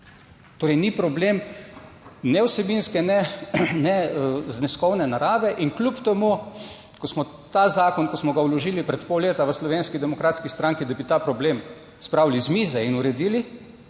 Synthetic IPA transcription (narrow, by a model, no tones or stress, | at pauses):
t̪oːɾɛjnipɾɔbleːm | nɛwsɛbinskɛnɛnɛznɛskɔwnɛnaɾaːʋɛʔinklʲupt̪ɛmu | kɔsmɔ | t̪aːzaːkɔnkɔsmɔɡawlɔʒiːlipɾɛt̪pɔwleːt̪aʋəslɔʋeːnskid̪ɛmɔkɾaːt̪skist̪ɾãŋkid̪abit̪aːpɾɔbleːm | spɾawlizmiːzɛinuɾɛd̪iːli